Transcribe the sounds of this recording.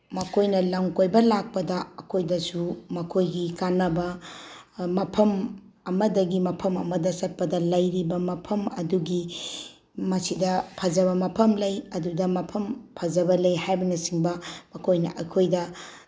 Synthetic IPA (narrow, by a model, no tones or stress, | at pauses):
mɐkʰojnɐlɐŋkojbɐlak̚pɐdɐɐkʰojdɐsumɐkʰojɡikanɐbɐ | mɐpʰɐm | ɐmɐdɐɡimɐpʰɐmɐ̰mɐdɐsɐt̚pɐdɐlɐjɾibɐmɐpʰɐmɐ̰duɡi | mɐsidɐpʰɐd͡ʒɐβɐmɐpʰɐmlɐjɐdudɐmɐpʰɐmpʰɐd͡ʒɐbɐlɐjhajbɐnɐsiŋbɐmɐkʰojnɐ̰ʔɐkʰojdɐ